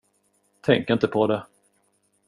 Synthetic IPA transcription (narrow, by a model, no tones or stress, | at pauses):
t̪ʰɛŋkɪnt̪əpʰɔd̪ɛ